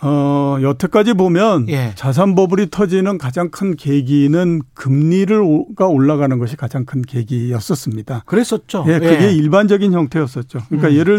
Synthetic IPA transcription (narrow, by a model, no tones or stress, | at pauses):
ʌjʌtʰek͈ad͡ʑibomjʌnjt͡ɕas̬ʰanbʌbɯɾitʰʌd͡ʑinɯnkad͡ʑaŋkʰɯnkeɡinɯnkɯmɲiɾɯɾɡaoɭːaɣanɯnɡʌɕʰikad͡ʑaŋkʰɯnke̞ɡijʌs͈ʌs͈ɯmɲidakɯɾes͈ʌt͡ɕ͈oje̞kɯɡe̞iɭband͡ʑʌɡinçjʌŋtʰe̞ʌs͈ʌt̚t͡ɕ͈okɯɲik͈ajeɾɯɭ